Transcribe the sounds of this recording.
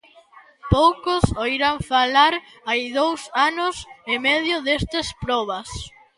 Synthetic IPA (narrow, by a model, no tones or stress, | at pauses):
powkʊsoiɾaɱfalaɾ | ajðowsanʊsemeð̞jʊðest̪ɐspɾɔβɐs